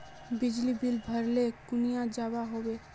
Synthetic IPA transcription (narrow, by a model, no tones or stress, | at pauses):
bɪd͡ʒlibɪlbʱəɾlekʊnijãd͡ʒabaɦoːwe